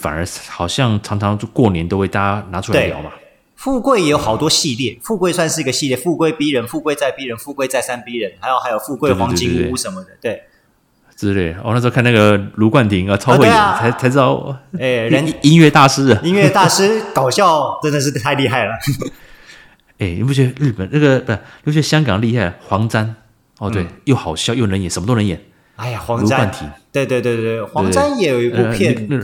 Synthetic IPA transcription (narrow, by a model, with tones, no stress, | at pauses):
fa̰˨˩nə˧˥xɑ˨˩ʊɕjɑ˥˨ŋʈ͡ʂʰɑ˧˥ŋʈ͡ʂʰɑ˧˥ŋ˥˧kwɔ˥˩njɛ˧˦nt̪o˥ʊxwe˥˩ɪt̪a˥˦na˧˥ʈ͡ʂʰu˧˥at̪ljɑ̰˧˥ʊma˦ | fu˥˧kwe˥˩ɪjɛ˧˥jo˧˦ʊxɑ˨˩ʊt̪wɔ˥ɕi˥˧ljɛ˥˩fu˥˧kwe˥˧ɪswa˥˧nʂɻ̩˥˩˧ə˧ɕi˥˧ljɛ˥˩fu˥˧kwe˥˧ɪpi˥ɻə˧˥nfu˥˧kwe˥˧ɪt͡sa˥˩ɪpi˥ɻə˧˦nfu˥˧kwe˥˧ɪt͡sa˥˧ɪsa˥npi˥ɻə˧˦nxa˧˥jo˨˩xa˧ɪjo˨˩ʊfu˥˧kwe˥˩ɪxwɑ˧˥ŋt͡ɕi˧˥u˥ʂə˧˦nmə˧˨d̪ə˨˩t̪we˥˩ɪ | t͡s̩˥˩t̪e˥˩ɔ̰˥˧na˥˧t͡ɕjkʰa˥˧na˥˩ɡə˩lu˧˥kwa˥˩nt̪ʰi˧˥ŋə˧t͡sʰɑ˥˦˥xe˥˩˥ɪ˨˦a˧˥ɪt͡sʰa˧˥ʈ͡ʂ̬ɻ̩˥d̪ɑ˥˩ʊe˥˩ɻə˧˥ni˥nɥɛ˥˧t̪a˥˩ʂɻ̩˥ə˨i˥ŋɥɛ˥˧t̪a˥˧ʂɻ̩˥kɑ˨˩ʊɕjɑ˥˩ʊʈ͡ʂə˥nd̪ə˨˧ʂ̬ɻ̩˥˧t̪ʰa˥˧ɪli˥˧xa˥˩ɪlə˩ | e˥˩nḭ˨˩p̬u˥˩ɥɛ˧˥˩ɻ̩˥˩pə˨˩nna˥˩ɡə˨˧˨ni˨˩pu˥˩ɥɛ˥˧˩ɕjɑ˥ŋkɑ˨˩ŋli˥˧xa˥˩ɪxwɑ˧˥ŋt͡sa˥n | ɔ˧t̪we˥˩ɪjo˥˩ʊxɑ˨˩ʊɕjjo˥˩ʊnə˧˥njɛ˨˩ʂə˧˥mə˧o˥ə˧˦jɛ˨˩˦n | a˥˩ɪja˨˩xwɑ˧˥ŋlu˧˥a˥wa˥˩nt̪ʰi˧˦ŋt̪we˧ɪt̪we˥˧ɪt̪we˥˧t̪we˥˩ɪxwa˧˩ŋa˥njɛ˨˧˥jo˨˩ʊi˧˥u˥˧pjɛ˥˨˥